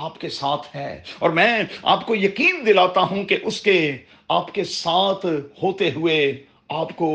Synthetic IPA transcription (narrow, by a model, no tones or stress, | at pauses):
aːpkesaːt̪ʰɦɛ̰ːɔ̰ːɾmɛ̃ːa̰ːpkojɐqiːnd̪ɪlaːt̪aɦũkeʔʊske | aːpkesaːt̪ʰhoːt̪eɦʊe | aːpko